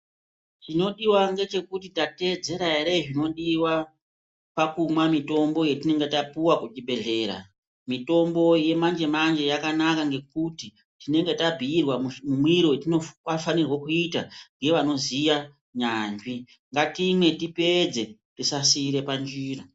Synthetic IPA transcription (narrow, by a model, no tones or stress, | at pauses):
t͡ʃino̞ɗiwaŋɡe̞t͡ʃe̞kutitate̞d͡ze̞ɾaeɾe̞ʐino̞ɗiwa | pakumwamito̞mbo̞jetine̞ŋɡe̞tapuwakut͡ʃibʱe̞ɮe̞ːɾa̰ | mito̞mbo̞je̞mand͡ʒe̞mand͡ʒe̞jakanakaŋɡe̞kuti | tine̞ŋɡe̞tabʱiːrwammumwiɾoetinokafanirwokuitaŋɡeʋano̞zija | ɲand͡ʒi | ŋɡatimwe̞tipe̞d͡ze̞tisasiːɾe̞pand͡ʒiːra